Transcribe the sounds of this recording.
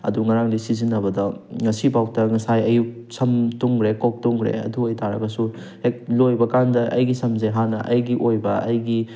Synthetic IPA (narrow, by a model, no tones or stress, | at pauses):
ɐ̰duŋɐɾaŋdisizinːɐbɐdɐŋɐsibawtɐŋɐsajɐjuk̚ | sɐmtuŋɡɾekok̚tuŋɡɾḛɐ̰duɐjtaɾɐ̰ɡɐsu | hek̚lojbɐkandɐʔɐ̰jɡisɐmzeɦanɐʔɐjɡiʔojbɐʔɐjɡi